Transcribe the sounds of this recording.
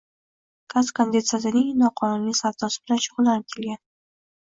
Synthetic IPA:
kʰaskand̪it̪sazaninɒqʰɑnunisaɾt̪ɒsblanʃʊʁʊlant̪ʰɪlɡʲan

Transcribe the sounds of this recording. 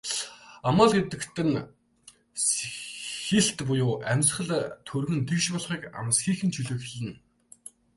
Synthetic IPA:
amaːɮɡet̪ɘ̆kt̪ʰɘ̆n | s | xeɬt̪pʊjʊːʔæmʲt͡s̆χə̆ɮt̪ʰɵrɣɘ̆nt̪ʰekʃpɔɮχiːka̰msxiːxɘ̆nt͡ɕʰɵɮɵːxeɮɘ̆n

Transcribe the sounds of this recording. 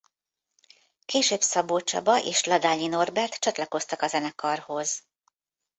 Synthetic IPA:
keːʃøːbsɒboːt͡ʃɒ̰bɒʔeːʃlɒd̪aːɲːino̞rbɛrt̪t͡ʃɒt̪lɒko̞st̪ɒkɒzɛnɛkɒrho̞z̥

